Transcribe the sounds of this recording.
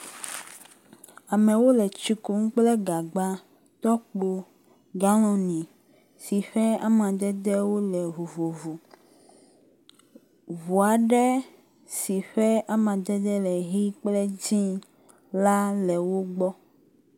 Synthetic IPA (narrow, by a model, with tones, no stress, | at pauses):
a˨mɛ̃˨wo˦lɛ˨t͡ʃi˦ku˦ŋ̩˦k͡plɛ˦ɡa˨ɡ͡ba˦ | t̪ɔ˦k͡po˦ | ɡa˦lɔ̃˨nĩ˨ | si˨ɸɛ˦a˦mã˨d̪ɛ˦d̪ɛ˦wo˦lɛ˨vu˨vo˨vu˨ | vu˨a˨ɖɛ˦ | si˨ɸɛ˦a˦mã˨d̪ɛ˦d̪ɛ˦lɛ˨ɦi˦k͡plɛ˦d͡ʑĩ˦ | la˦lɛ˨wo˦ɡ͡bɔ˦